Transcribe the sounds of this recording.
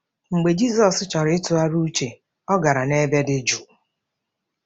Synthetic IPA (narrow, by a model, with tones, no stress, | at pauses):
ŋ͡m̩˨ɡ͡be˨d͡ʒi˦zɔ˨st͡ʃɔ˨ɾɪ˨˦ɪ˦tʊ˨a˦ɾu˦t͡ʃe˨ | ɔ˦ɡa˨ɾa˨ne˦be˦dɪ˦d͡ʒu˨